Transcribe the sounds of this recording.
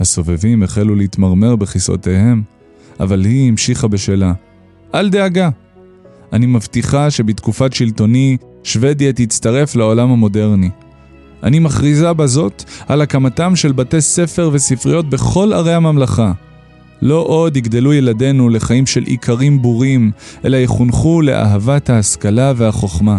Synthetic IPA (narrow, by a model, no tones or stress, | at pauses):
haso̞vevimeχeluleit̪maʁme̞ʁbeχiso̰t̪e̞he̞m | a̰valhiimʃiχabe̞ʃeːla | ʔald̪e̞aɡa | animavtiχaʃe̞bit̪kufatʃilto̞ni | ʃve̞d̪jat̪it͡st̪aʁe̞flao̞lamhamo̞de̞ʁni | ʔa̰nimaχʁizabazo̞t̪alakamatamʃe̞lbate̞se̞fe̞ʁve̞sifʁijo̞t̪̚beχo̞la̰ʁejhamamlaχa | lo̞ʔo̞d̪iɡd̪e̞lujelade̞nule̞χaimʃe̞lʔḭkʰaʁimbuʁimʔe̞̰lajeχunχule̞̰ʔa̰ɦavathaːskalave̞haχo̞χma